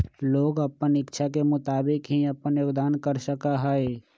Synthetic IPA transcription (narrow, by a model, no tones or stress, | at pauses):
loːɡəpənɪkːt͡ʃʰakemʊt̪aːbɪkɦiəpənjoːɡd̪aːnkəɾsəkaɦɛe